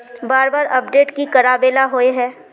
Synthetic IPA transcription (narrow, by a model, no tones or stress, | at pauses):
baːɾbaːɾɐp̚ɖeːʈkikɐɾaːbeːlaɦoːeɦɛː